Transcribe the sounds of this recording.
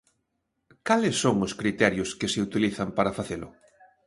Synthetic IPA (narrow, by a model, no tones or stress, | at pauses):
kalesːoŋʊskɾit̪ɛɾjʊskeseut̪iliθampaɾafaθelʊ̰